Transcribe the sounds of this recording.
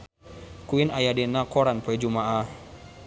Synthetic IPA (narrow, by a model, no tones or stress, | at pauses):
kuinajadenakɔɾanpoɛd͡ʒumaʔah